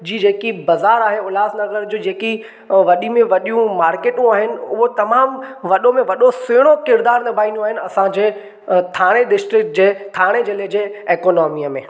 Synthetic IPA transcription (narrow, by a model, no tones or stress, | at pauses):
d͡ʑiːd͡ʑeːkibɐzaːɾaːɦeʊlaːznɐɡəɾd͡ʑoːd͡ʑeːki | ʋɐɗimẽʋɐɗijũmaːɾkeːʈũaːɦɪnɪ̆ʊɦot̪ɐmaːmʋɐɗomẽʋɐɗosɪːɽ̃okɪɾd̪aːɾnɐbʱaːĩnd̪oaːɦɪnɪ̆ɐsãd͡ʑeː | t̪ʰaːɽ̃eɗɪsʈɾɪk̚ʈ̚d͡ʑeːt̪ʰaːɽ̃ed͡ʑeled͡ʑeːeːkoːnɔːmiəmḛ̃ː